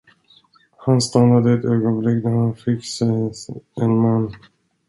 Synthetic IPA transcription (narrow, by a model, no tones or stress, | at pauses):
hanst̪anːad̪əɛt̪øːɡɔnblɪkd̪æɾhanfɪkːsɛ | ɛnmanː